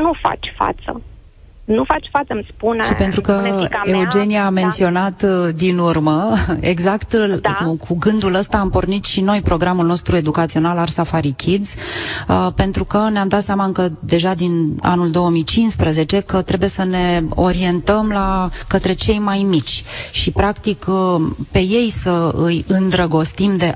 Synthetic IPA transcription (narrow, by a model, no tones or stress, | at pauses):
nufa̰t͡ʃʲfa̰t̪sə̰ | nufat͡ʃʲfat̪səmspunʃipe̞nt̪ɾukəe̞ud͡ʒe̞nijaːme̞nt̪sio̞nat̪d̪inurməe̞̰ɡzakt̪kʰuɡɨnd̪uləst̪aːmpo̞rnit̪ʃino̞jpɾo̞ɡɾamulno̞st̪ɾue̞d̪ukat̪sio̞nalarsafaɾikʲʰid̪z̥ | pe̞nt̪ɾukəneamd̪at̪seamakəd̪e̞ʒad̪ina̰nuld̪o̞əmijt͡ʃinspɾəze̞t͡ʃe̞kət̪ɾe̞buje̞səne̞o̞ɾie̞nt̪əmlakət̪ɾe̞t͡ʃe̞jmajmit͡ʃʲʃipɾakt̪ikpe̞je̞jsəɨjɨnd̪ɾəɡo̞st̪imd̪e̞